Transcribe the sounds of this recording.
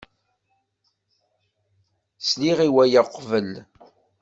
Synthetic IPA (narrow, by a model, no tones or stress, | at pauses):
sliʁiwæjəqːvəl